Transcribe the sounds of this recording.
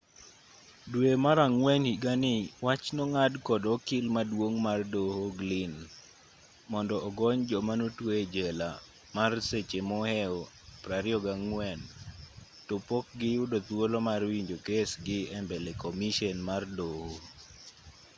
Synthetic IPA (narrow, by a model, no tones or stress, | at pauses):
dwemaɾaŋwɛnhiɡanɪwat͡ʃnɔŋadkɔdɔkɪlmadwoŋmardohoɡlɪn | mɔndɔʔːɡɔɲd͡ʒɔmanotwoed͡ʒɛla | marset͡ʃemɔhɛɔ | pɾaɾjɔɡaŋwɛn | topok̚ɡɪʊdot̪wolomarwiɲd͡ʒokesɡɪɛmbɛlekɔmiʃɛnmardoho